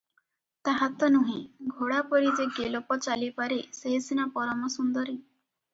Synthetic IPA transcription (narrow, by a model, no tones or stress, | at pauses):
t̪aɦat̪ɔnuɦĩɡʱoɽapɔɾid͡ʒeɡelɔpɔt͡ʃalipaɾeseɦesinapɔɾɔmɔsund̪ɔɾi